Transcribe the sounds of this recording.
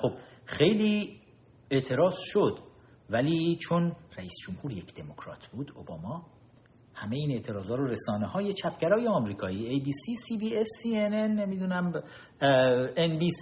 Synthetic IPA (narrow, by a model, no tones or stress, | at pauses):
xob̥xe̞jliː | eʔt̪ʰe̞ɾɒːz̥ʃod̪̥ | væliːt͡ʃʰonræiːsd͡ʒomhuːɾje̞cʰd̪̥e̞mo̞kʰɾɒ̰ːt̪ʰb̥uːd̪obɒːmɒː | hæmeiːne̞ʔt̪ʰe̞ɾɒːzɒːɾoɾesɒːneɦɒːjet͡ʃʰæpʰɟæɾɒːjeɒːmɾiːkʰɒːiːejbiːsiːsiːbiːesienenːemid̪uːnæm | enbiːs